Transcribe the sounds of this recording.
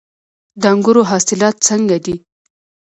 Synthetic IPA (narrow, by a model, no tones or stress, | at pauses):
d̪əaŋɡʊɾoɦɑsɪlɑt̪̚t͡səŋɡad̪i